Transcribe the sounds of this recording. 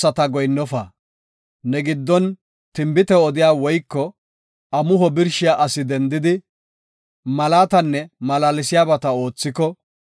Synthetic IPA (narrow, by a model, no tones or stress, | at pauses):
ɐt̪ɐɡɔjnːɔfɐ | nɛɡɪd̪ːɔn | t̪ɪmbɪt̪ɛɔd̪ɪjaːwɔjkːɔ | ɐmʊɦɔbɪɾʃɪjaʔɐsɪd̪ɛnd̪ɪd̪ɪ | mɐlaːt̪ɐnːɛmɐlaːlɪsɪjaːbɐt̪ɐo̞ːt͡sːɪkɔ